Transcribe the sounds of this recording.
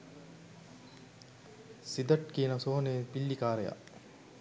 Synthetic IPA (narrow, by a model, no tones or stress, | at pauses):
sid̪ɐʈkiːnɐsoːɦnepilːikaːɾeja̰